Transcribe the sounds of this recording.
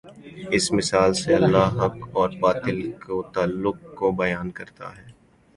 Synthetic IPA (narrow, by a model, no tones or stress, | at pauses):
ɪsmɪsaːlseɐlːaɦɦɐkɔːɾbaːt̪ɪlkot̪aːlːʊk̚kobɐjaːnkɐɾt̪a̰ɦɛː